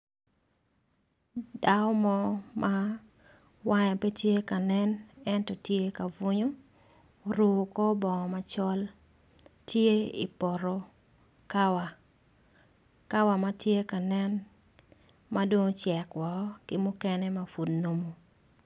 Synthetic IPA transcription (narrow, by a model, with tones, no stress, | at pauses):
da˦ɔ˦mɔ˦mʔa | wa˦ɲa˨pe˦tje˦ka˨nɛ˦nɛ˦ntɔ˨tje˦ka˨vu˦ɲo˦ | ɾu˨kɔ˦bɔ˨ŋɔ˨ma˨t͡ʃɔ˦l | tje˦ḭ˨pɔ˨ɾo˦ | ka˦wa˨ | ka˦wa˨ma˦tje˦ka˨nɛ˦n | ma˦do˦ŋt͡ʃjɛ˨kwɔ˨˦kɪ˦mʊ˦kɛ˦nɛ˦ma˨fu˨dno˦mo˨